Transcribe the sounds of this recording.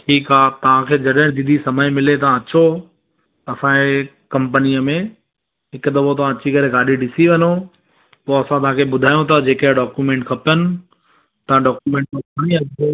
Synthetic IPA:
ʈʰiːkaːt̪ɐʋ̤ãkʰeːd͡ʑɐɗ̃d̪id̪ʱisɐməjmɪlet̪ɐãɐt͡ɕo | ɐsãe | kɐ̃mp̬ənijəmẽ | ɦɪkd̪ɐʋot̪̬ɐʋ̤ãɐt͡ɕikɐɾeɡaːɗiɖɪsiʋɐɲo | poːɐsãt̪ɐʋ̤ãkʰeɓʊd̪ʱaːijũt̪ʰad͡ʑeːkeɖɔːkjumẽːɳʈkʰɐpjənɪ̆ | t̪ɐãɖɔːkjumẽːɳʈkɐpaɽ̃iaːo

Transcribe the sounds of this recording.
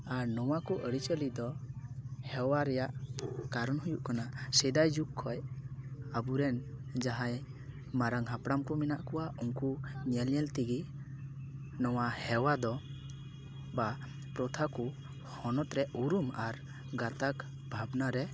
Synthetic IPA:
aɾnɔwakɔʔəɽit͡ʃəlid̪ɔ | hɛwaɾɛjaʔkaɾɔnɦujuʔkanasɛd̪ajd͡ʒukʰːɔj | abuɾɛnd͡ʒaɦãj | maɾaŋɦapɽamkɔminaʔkɔwauŋkuɲɛljɛlt̪iɡi | nɔwahɛwad̪ɔ | ba | pɾɔt̪ʰaku | hɔnɔt̪ɾɛʔuɾumaɾ | ɡat̪ak | bʱabnaɾɛ

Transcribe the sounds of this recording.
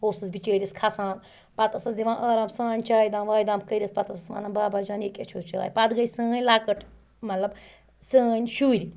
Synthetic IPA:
hoːsɨsbit͡ʃəːɾʲɐskʰasãːm | pɐt̪ɐsɐsd̪iʋãːʔɐːɾaːmsãːnʲt͡ʃaːjd̪ãːnʋaːjd̪ãːmkəɾʲɐspɐt̪ɐsɐsʋa̰ːnɐːbaːbad͡ʒaːneket͡ʃʰoːt͡ʃa̰ːjpɐd̪ɡɐjsə̃ːnʲlaːkɐʈʰ | mɐt̪lɐb | sə̃ːnʲʃuːɾi

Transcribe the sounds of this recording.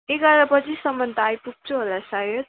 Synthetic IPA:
ekʌɾapʌt͡sʰisʌmʌnt̪aajpuɡ̚t͡sʰoɦolasajo

